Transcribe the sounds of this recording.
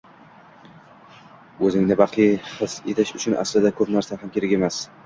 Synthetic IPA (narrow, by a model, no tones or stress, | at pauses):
ɵzɪŋnɪbɑqʰiχɨset̪ʰɪʃʊt͡ʃʰʊnʔa̰slɪd̪akʰɵpnaɾsaɦamkʲeɾɪkʲe̞mas